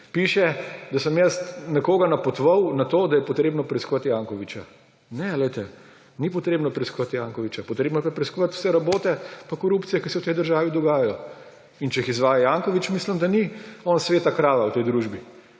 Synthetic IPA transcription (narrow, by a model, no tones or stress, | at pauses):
piʃɛd̪asəmjɛst̪nɛkoːɡanapɔt̪ɔʋɐwnat̪oːd̪ajɛpɔt̪ɾeːbnɔpɾɛiskɔʋat̪jaːŋkɔʋit͡ʃa | nɛlɛjt̪ɛ | nipɔt̪ɾeːbnɔpɾɛiskɔʋat̪jaŋkɔʋit͡ʃapɔt̪ɾeːbnɔjɛpapɾɛiskɔʋat̪u̥sɛɾaboːt̪ɛpakɔɾuːpt̪sijɛkisɛwt̪ɛjd̪əɾʒaːʋid̪ɔɡaːjajɔ | int͡ʃɛixizʋaːjajaŋkɔʋit͡ʃmislimd̪aniɔːnsʋeːt̪akɾaːʋawt̪ɛjd̪ɾuʒbi